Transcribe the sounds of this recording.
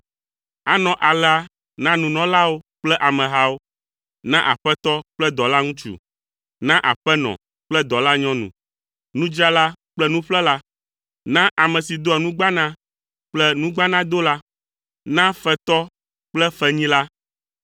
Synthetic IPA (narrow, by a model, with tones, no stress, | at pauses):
a̰˨nɔ̃˨ʔa˨lɛ˦a˦ | nã˦nũ˨nɔ̃˨la˦wo˦k͡plɛ˦ʔa˨mɛ̃˨ɦa˦wo˦ | nã˦ʔa̰˨ɸɛ˦t̪ɔ˦k͡plɛ˦d̪ɔ˨la˦ŋũ˦t͡ʃṵ˨ | nã˦ʔa̰˨ɸɛ˦nɔ̰̃˨ | k͡plɛ˦d̪ɔ˨la˦ɲɔ̃˦nṵ̃˨ | nũ˦d͡ʒa˦la˦k͡plɛ˦nũ˦ɸlɛ˦la˦ | nã˦ʔa˨mɛ̃˨si˨d̪o˦ɛ˨nũ˦ɡ͡ba˦nã˦ | k͡plɛ˦nũ˦ɡ͡ba˦nã˦d̪o˦la˦ | nã˦ɸɛ˦t̪ɔ˦ | k͡plɛ˦fɛ˦ɲĩ˦la˦